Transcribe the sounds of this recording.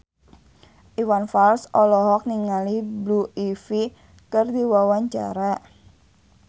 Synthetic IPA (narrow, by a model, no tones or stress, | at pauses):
ʔiwanfalsɔlɔɦɔk̚niŋalibluʔifi | kərdiwawaɲt͡ʃa̰ɾa